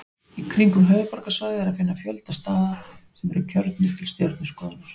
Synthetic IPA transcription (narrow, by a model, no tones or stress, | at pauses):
ikʰɾiŋkʏmɦœːvʏpɔɾkasvaːɣðɪɛɾaðfɪnːafjœlt̪ast̪aːðasɛmɛɾɪcʰœɾt̪nɪt̪ʰɪlst̪jœɾt̪nʏskɔːðanaɾ̥